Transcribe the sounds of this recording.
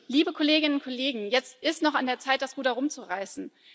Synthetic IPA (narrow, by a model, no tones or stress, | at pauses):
liːbəkʰoleːɡɪnənʊnkʰɔleːɡŋ̩jɛt͡stʔɪstnɔχandeːɐt͡saɪt̚d̥asɡ̥uːtɐʁʊmt͡suʁaɪsn̩